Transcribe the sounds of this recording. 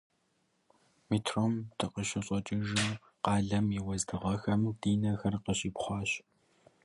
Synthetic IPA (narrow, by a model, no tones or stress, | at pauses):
miːtʰroːmtʰɨqəɕɪɕʼɔt͡ʃʼɪʒɨm | qɑːɮɐmiwɐzdɨʁɐxɐmdiːnɐxɐrqəɕʼiːpχʷɑːɕ